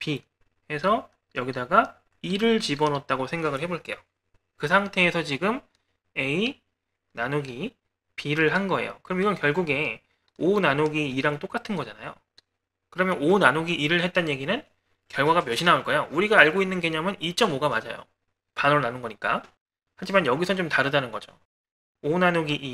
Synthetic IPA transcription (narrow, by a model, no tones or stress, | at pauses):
pi | he̞sʰʌ | jʌɡidaɡa | iɾɯɭt͡ɕibʌnʌt̚t͈aɡosʰe̞ŋɡaɡɯɭhe̞boɭk͈e̞jo | kɯsʰaŋtʰe̞ːsʰʌt͡ɕiɡɯm | e̞i | nanoɡi | pʰiɾɯɭɦanɡʌḛjo̰kɯɾʌmiɡʌnkjʌɭɡuɡe̞ | onanoɡiːɾaŋt͈ok͈atʰɯnɡʌd͡ʑana̰jo̰ | kɯɾʌmjʌnonanoɡiʔːɾɯɭhe̞t̚t͈anje̞ɡinɯn | kjʌɭɡwaɡamjʌɕʰinaoɭk͈ʌejouɾiɡaːɭɡoinːɯnɡeɲamɯnit͡ɕ͈ʌmoɡamad͡ʑa̰jo̰ | panoɾnanɯnɡʌɲik͈a | had͡ʑimanjʌɡisʰʌnt͡ɕomtaɾɯdanɯnɡʌd͡ʑo̰ | onanoɡiʔi